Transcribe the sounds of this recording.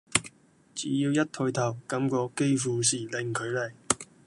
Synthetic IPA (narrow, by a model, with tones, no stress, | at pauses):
t͡siː˨˥jiː˧wjɐ˥t̚t̪ʰɵ˧jt̪ʰɐ˨˩wkɐ˨˧˥mkɔː˧ke˥jfuː˨˧siː˨˩lɪ˨˧ŋkʰɵ˨˧ɥlɐ˨˩j